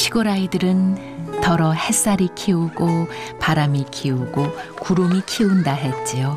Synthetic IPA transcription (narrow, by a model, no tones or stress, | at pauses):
ɕʰiɡoɾaidɯɾɯn | tʌɾʌhe̞s͈aɾikʰiuɡopaɾamikʰiuɡokuɾomikʰiundaɦe̞t͡ɕ͈io